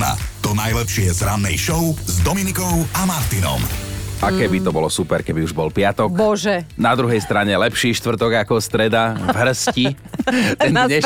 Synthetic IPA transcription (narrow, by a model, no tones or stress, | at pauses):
na̰t̪ɔnajlɛpʃɪɛzɾanːɛ̰jʃɔʊzd̪ɔminikɔʊamaɾt̪inɔ̰mʔakɛbit̪ɔbɔlɔsupɛɾkɛbiuʒbɔlpɪat̪ɔkbɔʒɛnad̪ɾuɦɛjst̪ɾaɲɛlɛpʃiːʃt̪ʋr̩t̪ɔɡakɔst̪ɾɛd̪avɦr̩sci | t̪ɛnɲɛ